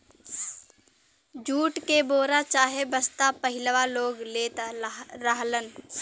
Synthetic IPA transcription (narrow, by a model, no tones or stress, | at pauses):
d͡ʒuːʈkeboːɾat͡ʃaːɦebəst̪apəɦɪləʋaloːɡleːt̪aɾəɦlən